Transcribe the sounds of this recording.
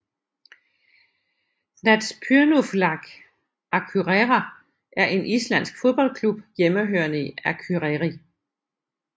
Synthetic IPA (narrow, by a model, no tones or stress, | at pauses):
næd̥spʰyɐnuflɑ̈ɡ̥ | ækʰyʁeʁæ | ʔæɐʔe̝nʔislæn̰sɡ̥fo̝ðˠb̥ɒ̽l̰kʰlub̥jeməɦøɐnəiækʰyʁeʁi